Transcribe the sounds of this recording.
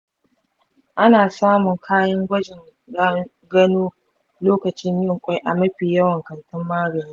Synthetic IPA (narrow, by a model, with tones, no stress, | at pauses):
ʔa˦naː˨saː˦mʊ˨ŋkʰaː˦jɐ˦ŋɡʷɐ˦d͡ʒɪ˨ŋ˦ | ɡɐ˦noː˦ | loː˦kɐ˨t͡ʃɪ˦ɲjɪ˦ŋkʷʼa˦jʔa˨mɐ˦ɸiː˨jɐ˦wɐ˨ŋkɐ˨ntʊ˦mːaː˦ɡɐ˨niː˦